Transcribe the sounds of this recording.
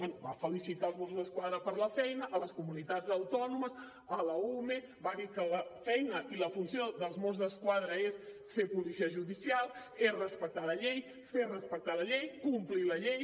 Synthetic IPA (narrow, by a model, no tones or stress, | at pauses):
ɛnubafəlisit̪aəlˠzmɔs̬uzðəskwaðɾəpəɾləfɛjnəʔːləskumunit̪ad͡zəwt̪ɔnuməs | ələumebaðikələfɛjnəʔiləfunsioðəlˠzmɔzðəskwaðɾəes | fepulisiəʒuðisialˠesrəspək̚t̪aləʎej | ferəspək̚t̪aləʎejkumpliləʎej